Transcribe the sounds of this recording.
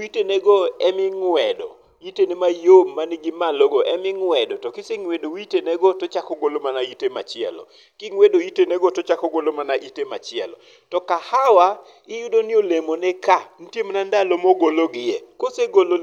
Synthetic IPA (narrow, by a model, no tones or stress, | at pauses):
itenɛɡɔɛmɪŋwɛdɔ̰ | itenɛmajomːaniɡɪmaloɡoɛmɪŋwɛdɔtɔkɪseŋwedowitenɛɡɔtɔt͡ʃakɔɡolomanaitema̰t͡ʃɪɛ̰lɔ̰ | kɪŋwedoitenɛɡɔtɔt͡ʃakɔɡolomanaʔitema̰t͡ʃɪɛ̰lɔ̰ | tɔkahawa | ɪjʊdonɪolemonɛkan̩tjemanandalomɔɡoloɡɪjɛkoseɡolo